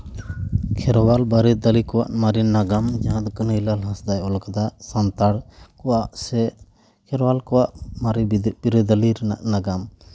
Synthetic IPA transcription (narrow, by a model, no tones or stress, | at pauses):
kʰɛɾwalbaɾɛd̪əlikɔwaʔmaɾinaɡamd͡ʒaãt̪kənəjlalɦãsd̪ajɔlkad̪asant̪aɽkɔwaʔsɛ | kʰɛɾwalkɔwaʔmaɾpiɾəd̪aliɾɛna̰ʔnaɡam